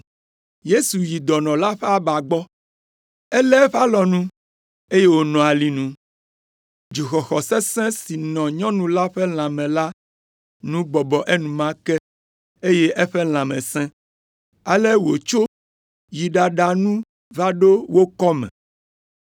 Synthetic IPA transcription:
je˦su˨ji˨d̪ɔ˨nɔ̃˨la˦ɸɛ˦a˦ba˨ɡ͡bɔ˦ | ɛ˦lɛ˦ɸa˦lɔ˨nũ˦ | e˦je˦wo˦nɔ̃˨a˨li˦nũ˦ | d͡ʒi˨xɔ˨xɔ˨sɛ˦sɛ̃˦si˨nɔ̃˨ɲɔ̃˦nũ˦la˦ɸɛ˦l̃ã˨mɛ̃˨la˦ | nũ˦bɔ˨bɔ˨ʔe˦nũ˨mã˦kɛ˦ | e˦je˦ʔe˦ɸɛ˦l̃ã˨mɛ̰̃˨sɛ̃˦ | a˨lɛ˦wo˨t͡ʃo˦ | ji˨ɖa˨ɖa˨nũ˦ | va˦ɖo˦wo˦kɔ˦mɛ̰̃˨

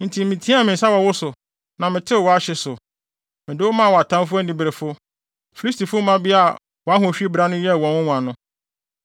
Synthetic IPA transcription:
n̩˨tʰi˨˦mĩ˨tʰĩ˦a˦˨mɪ̃˨n̩˨sa˦wɔ˨wʊ˦sʊ˨ | nã˨mɪ̃˨tʰɪ˦˨wɔ˨˦a˦ɕɪ˦sʊ˨ | mɪ̃˨dɪ˦wʊ˦mã˦˨wɔ˨a˨tʰã˦mfʊ˦ɛ˦n˦dĩ˨bɾe˨fʊ˦ | fi˨li˦sti˨fʊ˦mã˦bi˦a˦˨ | wɔ˨a˦ɦʊ̃˨˦˨ɕᶣi˦bɾa˦nʊ̃˦jɛ˦˨wɔ̃˨wʊ˦ŋʷ˨ã˨nʊ̃˦

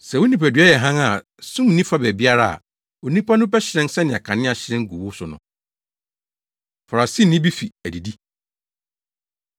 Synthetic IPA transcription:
sɛ˨wʊ˦nĩ˨pæ˨dɥa˦jɛ˨ɦã˦ŋa˨ | sũ˦m˨nĩ˦fa˦bɛ˨bi˦a˦ɾa˦a̰˨ | o˨nĩ˦pa˦nʊ̃˦bɛ˦ɕɪ˨ɾɛ̃˦nsɛ˦nɪ̃˨a̰˨kʰã˨nɪ̃˦a˨ɕɪ˨ɾɛ̃˦ŋ̩˦ɡu˨wʊ˦sʊ˨nʊ̰̃˨ | fa˨a˨si˦nɪ̃˦bi˦fi˨æ˨di˨di˦

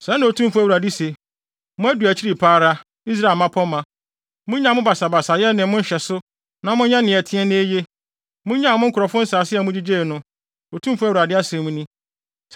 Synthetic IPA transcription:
sɛ˦nɪ̃˨o˨tʰũ˦mfʊ˦æ˦˨u˨ɾa˨di˦se˨ | mʊ̃˦æ˦du˨æ˨t͡ɕʰi˦ɾi˨pʰaː˦ɾa˦ | i˦s̬ɾa˦˨lmã˦pʰɔ˦mã˨ | mʊ̃˦ɲã˨mʊ̃˦ba˨sa˨ba˨sa˨jɛ˦nɪ̃˨mʊ̃˦n̩˦ɕɛ˨sʊ˦ | nã˨mʊ̃˦ɲã˦nɪ̃˨ɛ˨tʰɪ̃˦ɛ˦nɪ̃˦e˦je˦ | mʊ̃˦ɲã˦˨mʊ̃˦ŋ̩˦kʰʊ˨ɾɔ˨fʊ̃˦n̩˦saː˨sɪ˦ɛ˨mʊ̃˦d͡ʑi˦d͡ʑeː˦˨nʊ̃˦ | o˨tʰũ˦mfʊ˦æ˦wu˨ɾa˨dɪ˦a˦sɪ̃˨mũ˦nĩ˦

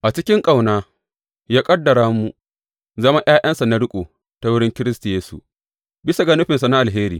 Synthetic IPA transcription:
ʔa˨t͡ʃɪ˦kʲɪ˦ŋkʼa˦˨wnaː˦ | jaː˦kʼɐ˦dːɐ˨ɾaː˦mːu˨ | zɐ˦ma˦j̰aː˦j̰ʔɐ˦nsa˨na˦ɽʊ˦kʷʼoː˨ | ta˨wʊ˦ɽɪ˦ŋkʲɪ˦ɾɪ˦sta˨jeː˦sṵ˨ | bɪ˦sa˨ɡɐ˦nʊ˦ɸɪ˨nsa˨na˦ʔa˨lɦeː˦ɾiː˨

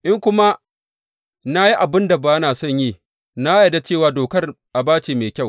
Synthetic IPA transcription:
ʔɪ˦ŋkʷʊ˦ma˦ | na˦ji˦ʔa˨bɪ˦nda˨ba˨jɐ˦naː˨sɔ˦˨ɲji˦˨ | na˦ja˨da˨t͡ʃeː˦˨waː˨doː˨kɐ˦r | ʔa˨baː˦t͡ʃeː˨meː˨kʲa˦˨w

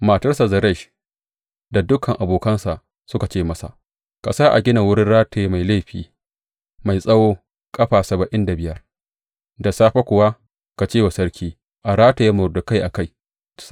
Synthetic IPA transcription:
ma˨tɐ˦rsa˨zɐ˨ɾɐ˦˨ʃ | da˨dʊ˦kʰɐ˨ŋʔa˨boː˨kɐ˦nsa˨ʔ | sʊ˦ka˨t͡ʃeː˦mɐ˦sa̰˨ | kɐ̰˨sa˦ʔa̰˨ɡʲɪ˦na˨wʊ˦ɽɪ˦nɽaː˦tʰeː˨˦ma˨jleː˦˨ɸḭː˨ | ma˨jsʼɐ˦woː˦ | kʼɐ˦ɸaː˨sɐ˨bɐ˨ʔɪ˦nda˨bɪ˦jɐ˦r | da˨saː˦ɸa˦kʷʊ˨wa˦ | ka˨t͡ʃeː˦˨wa˨sɐ˦ɾkʲiː˦ | ʔa˨ɾaː˦ta˨ja˦mʊ˨rdʊ˨ka˦jʔa˨ka˦˨j

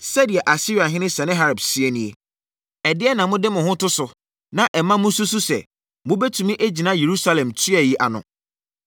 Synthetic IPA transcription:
sɛ˦di˨ɛ˨ʔa˨si˦ɾi˨a˨ɦɪ̃˦nɪ̃˦sɛ˨nɪ̃˦ɦa˦ɾa˨bsɪ˦e˦nĩ˨e˨ | ɛ˨dɪ˦ɛ˦nã˨mʊ̃˦dɪ˦mʊ̃˨ɦʊ̃˦tʊ˦sʊ˨ | nã˨ʔɛ˨mã˦mʊ̃˦su˦su˦sɛ̰˨ | mʊ̃˦bɛ˦tʰu˨mĩ˦ʔe˦d͡ʑi˨nã˦je˨ɾu˦sa˦lɛ̃˨mtʰɥɛ˨ji˦ʔa̰˨nʊ̰̃˨

